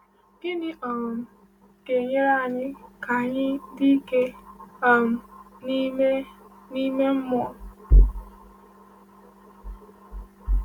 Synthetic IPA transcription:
ɡ̥ɪ˦nɪ˦ʔɔ˨m̩˨ | ke˨ɲe˦ɾa˦˨ɲɪ˦ka˨ɲɪ˦di˦ke˦ɔ˨m̩˨ni˦me˦ | ni˦me˦m̩˦mɔ˨

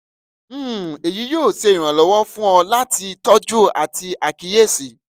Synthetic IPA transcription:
e˨ji˨˦jo˦˨se˧˦ĩ˨ɾ̃ã˨lɔ˨˦wɔ˦fũ˦ɔ̃˧la˦ti˧tɔ˦d͡ʒu˦˨ʔa̰˨ti˧ʔa˨ki˨˧je˦˨si˨

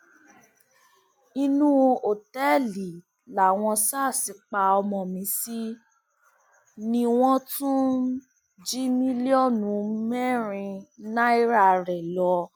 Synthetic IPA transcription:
i˧nũ˦˧o˨tɛ˦li˨ | la˨w̃ɔ̃˧saː˦˨si˨˦k͡pa˧ɔ˧mɔ̃˨mĩ˨˧˦si˦ | nĩ˧w̃ɔ̃˦tũ˦ | d͡ʒi˦mĩ˦li˦ɔ˦˨nũ˨˦mɛ˦˨ɾ̃ĩ˧na˦i˦ɾa˦˨ɾɛ˨lɔ˧

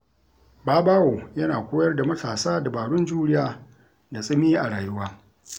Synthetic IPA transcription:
baː˦baː˦woː˨jɐ˦naː˨kʷoː˦jɐ˦rda˨mɐ˦tʰaː˨saː˦da˨baː˨ɽʊ˦nd͡ʒuː˦ɽɪ˦jaː˦ | da˨sʼɪ˦miː˦ʔa˨ɽaː˨jʊ˦waː˦

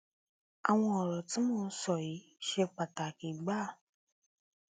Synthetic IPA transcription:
a˨w̃ɔ̃˧ɔ˨ɾɔ˨ti˨˦mõː˦˧˦sɔ˨ji˨˦ | ʃe˧k͡pa˨ta˨ki˨˦ɡ͡ba˦˨

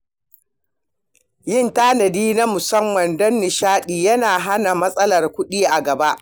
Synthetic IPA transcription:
jɪ˦˨ntaː˦nɐ˨diː˦na˦mʊ˨sɐ˦mːɐ˨ndɔ˦nːɪ˨ʃaː˦ɗiː˨jɐ˦naː˨ɦa˦na˨mɐ˦sʼɐ˦lɐ˨rkʷʊ˦ɗiː˦ʔa˨ɡɐ˨ba˦ʔ

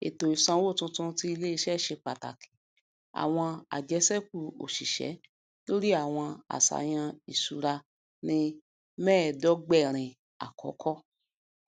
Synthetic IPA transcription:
ḛ˨to˨i˨sã˧wo˦˨tũ˧tũ˧ti˦i˧le˦i˧ʃɛ˦˨ʃe˧k͡pa˨ta̰˨kʰĩ̥˨ | a̰˨w̃ɔ̃˧a̰˨d͡ʒɛ˨˦sɛ˦k̚u˦˨o̰˨ʃi˨ʃɛ̰˨˦ | lo˦ɾi˦a˦˨w̃ɔ̃˧a̰˨sa̰˨j̃ã˧i˨su˨ɾa˧ | nĩ˧ | mɛ̃ː˦˨dɔ˦ɡ͡bɛ˦˨ɾ̃ĩ˨ | a̰˨kʰɔ̰˨˦kʰɔ˦

